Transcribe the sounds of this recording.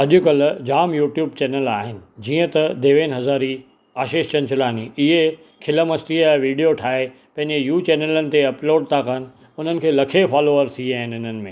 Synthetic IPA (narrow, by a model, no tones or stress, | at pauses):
ɐʄʊkɐld͡ʑaːmjuːʈjuːb̚t͡ɕɛːnəlaːɦɪnɪ̆d͡ʑiːə̃t̪ɐd̪eːʋeːnɦɐzaːɾi | aːʃeːʃt͡ɕɐ̃nt͡ɕʰʊlaːniɪɦe | kʰɪləmɐsʈiɛ̃ʋiːɖijoʈʰaːɦe | pɐ̃ɦɪ̃ɲd͡ʑejuːt͡ɕɛːnelənɪ̆t̪eɐploːɖ̚t̪ʰaːkənɪ̆ | ʊn̤ənɪ̆kʰeːlɐkʰefaːloːəɾt̪ʰiaːɦɪnɪn̤ənɪ̆mẽː